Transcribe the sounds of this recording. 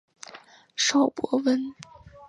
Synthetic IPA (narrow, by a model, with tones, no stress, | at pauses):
ʂɑ˥˩ʊpwɔ˧˥wə˥n